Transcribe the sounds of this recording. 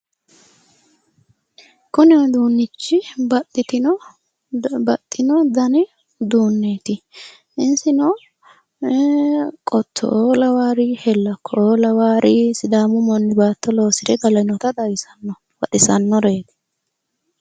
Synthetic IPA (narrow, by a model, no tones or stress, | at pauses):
kʊnɪɔd̪uːnːɪt͡ʃːɪbɐt̪ʼːɪt̪ɪnɔ | bɐt̪ʼːɪnɔd̪ɐnɪ | d̪uːnːeːt̪ɪ | ɪnsɪnɔ | kʼɔt̪ʰːɔ̰ʔoːlɐwaːɾɪhɛlːɐkːɔoːlɐwaːɾɪsɪd̪aːmʊmɔnːɪbaːt̪ːɔlo̞ːsɪɾɛɡɐlɐnɔt̪ɐd̪ɐjɪsɐnːɔ | wɐᶑɪsɐnːɔɾeːt̪ɪ̥